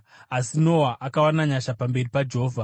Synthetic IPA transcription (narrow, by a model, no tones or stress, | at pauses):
asino̞waʔakawanaɲaʃapambe̞ripad͡ʒeɦoːvʱa